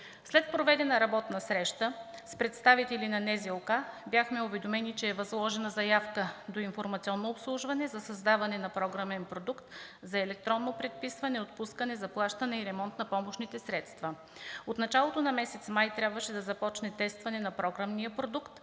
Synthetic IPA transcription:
slɛt̪̚pɾovɛd̪ɛnɐɾɐbɔt̪nɐsɾɛʃt̪əspɾɛt̪st̪avit̪ɛlinɐnɛzɛlˠkabjaxmɛʊvɛd̪omɛnit͡ʃɛːvɐzlˠɔʒɛnəzɐjafkəd̪oinfoɾmɐt̪siɔnːoːpslˠuʒvɐnɛzɐsɐzd̪avɐnɛnɐpɾɔɡɾamɛnpɾod̪ukt̪zɐɛlɛk̚t̪ɾɔnːopɾɛt̪̚pisvɐnɛot̪̚puskənɛzɐplˠaʃt̪ənɛiɾɛmɔnt̪nɐpɔmoʃnit̪ɛsɾɛt̪st̪vɐ | ot̪nɐt͡ʃalˠot̪onɐmɛsɛt̪smajt̪ɾʲabvəʃɛd̪ɐzɐpɔt͡ʃnɛt̪ɛst̪vɐnɛnɐpɾɔɡɾəmnijəpɾod̪ukt̪

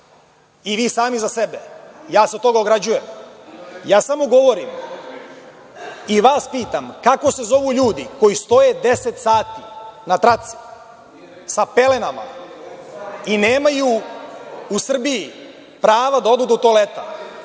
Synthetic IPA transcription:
iʋiːsaːmizasebejaːset̪t̪o̞ɡaoɡɾad͡ʑujem | jaːsamo̞ɡo̞ʋo̞ɾim | iʋaːspiːt̪amkako̞se̞zo̞ʋuʎuːd̪iko̞jist̪o̞jed̪e̞set̪saːt̪inat̪ɾat̪si̥ | sape̞le̞nama̰ | ineːmajuː | sr̩biji | pɾaːʋad̪ao̞d̪uːd̪ut̪oːlet̪a

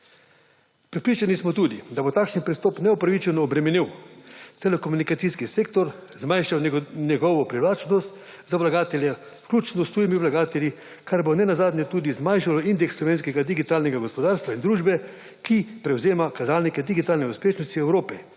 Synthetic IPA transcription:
pɾɛpɾiːt͡ʃanismɔt̪uːd̪id̪abot̪aːkʃnipɾist̪ɔːpnɛupɾaʋit͡ʃɛnɔːbɾɛmɛniwt̪ɛlɛkomunikat̪siskiseːkt̪ɔɾzmajʃawnɛɡɔʋɔpɾiʋlaːt͡ʃnɔst̪ | zaʋlaɡaːt̪ɛljɛ | wklʲuːt͡ʃnɔst̪ɾuːjimiʋlaɡaːt̪ɛlʲji | kaɾbonɛnazaːd̪nɲjɛt̪uːd̪izmajʃalɔind̪ɛksːlɔʋeːnskɛɡad̪iɡit̪aːlnɛɡaɡɔspɔd̪aːɾst̪ʋaind̪ɾuːʒbɛ | kipɾɛwzeːmakazaːlnikɛd̪iɡit̪aːlnɛuspeːʃnɔst̪iɛwɾoːpɛ

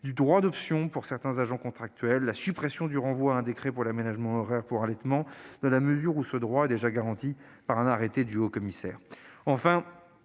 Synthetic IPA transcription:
d̪yd̪ʁwad̪ɔpsjɔ̃puʁsɛʁt̪ɛ̃zaʒɑ̃kɔ̃t̪χak̚t̪ɥɛlːasypχɛsjɔ̃d̪yʁɑ̃vwaɛ̃d̪ekχepuʁlamenaʒmɑ̃ɔʁɛʁpuʁalɛt̪mɑ̃d̪̥ɑ̃laməzyʁusəd̪ʁwaɛd̪eʒaɡaʁɑ̃t̪ipaʁɛ̃naʁet̪ed̪yokɔmisɛːʁɑ̃fɛ̃

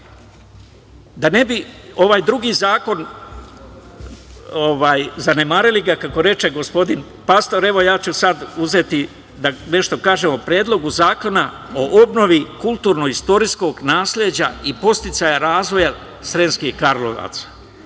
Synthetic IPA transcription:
d̪ane̞bio̞ʋaːjd̪ɾuɡiːzaːko̞n | oʋaːjzane̞maːɾiliɡakako̞ɾe̞t͡ʃe̞ɡo̞spo̞d̪in | past̪oɾe̞ʋo̞jaːt͡ɕusad̪uze̞ːt̪i | d̪ane̞ʃt̪o̞kaːʒe̞mopɾjeːd̪lo̞ɡuzaːko̞na | o̞ʔo̞bno̞ʋikulˠt̪uːɾno̞ist̪o̞ɾisko̞ːɡnaːsled͡ʑaipo̞st̪it̪sajaɾaːzʋo̞ja | sɾenskihkaɾlo̰ʋa̰t̪sḁ

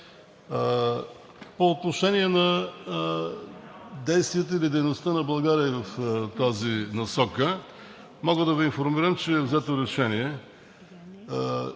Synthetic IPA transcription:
poːt̪noʃɛniɛnɐ | d̪ɛjst̪viət̪əilid̪ɛjnost̪ənɐbˠɐɡaɾiəivɐft̪azinɐsɔkə | mɔɡəd̪ɐvɛinfoɾmiɾəmt͡ʃɛːvzɛt̪oɾɛʃɛniɛ

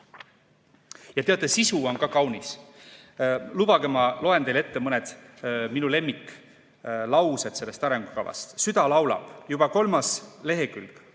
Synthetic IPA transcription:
jɑt̪e̞ɑt̪ːˑesisuo̞nkɑkɑwnis | lub̥ɑɡemɑlo̞e̞nt̪e̞jle̞t̪ːemɤned̪̥minule̞mːikː | lɑwse̞d̪̥se̞lːe̞st̪ɑɾe̞ŋɡ̥ukɑ̰vɑ̰st̪syd̪̥ɑlɑwlɑ̰b̥jub̥ɑko̞lmɑsle̞ɦe̞kylk

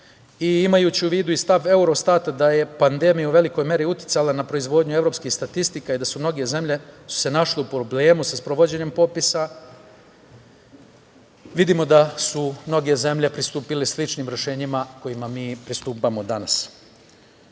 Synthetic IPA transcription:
iimajuːt͡ɕiuʋiːd̪uist̪aʋe̞uɾo̞st̪aːt̪ad̪aje̞pand̪e̞mijauʋe̞liko̞jme̞ɾiut̪ji̥t̪salˠanapɾo̞izʋo̞ːd̪ɲue̞ʋɾo̞ːpskixst̪at̪ist̪ikaid̪asumno̞ɡe̞ze̞mʎe̞su̥se̞naʃleupɾoble̞ːmusaspɾoʋo̞d͡ʑe̞ɲe̞mpo̞pisa | ʋid̪imo̞d̪asumno̞ɡe̞ze̞mʎe̞pɾist̪uːpileslit͡ʃnimɾe̞ʃe̞ːɲimako̞jimamiːpɾist̪uːpamo̞d̪anas

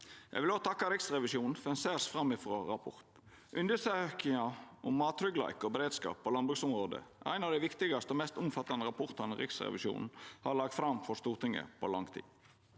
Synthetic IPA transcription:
jʔɛ̰ɡʋɪloːt̪ʰɑkːɑɾɪksʁɛʋɪʃuːnn̩fɔɾɛnseːsfɾɑmːɪfɾoːɾɑpʰɔɾt̪ | ʔʉnd̪əsøkɪŋɑʔʊmːɑːt̪ɾʏɡlɑ̰ɪkɔbɛɾeːd̪skɑ̰ːpːolɑnbʁʉksʊmɾoːd̪ə̰ʔæ̰ɪnɑʋd̪æɪʋɪkt̪ɪɡɑst̪əoːmɛst̪ʊmfɑt̪ːɑnəɾɑpʰɔʁt̪ɑnəɾɪ̰ksɾɛ̰ʋɪʃṵːnn̩hɑɾlɑɡ̚t̪fɾɑmfɔʂt̪uːʁt̪ʰɪŋə̰pʰɔ̰lɑŋt̪ʰḭː

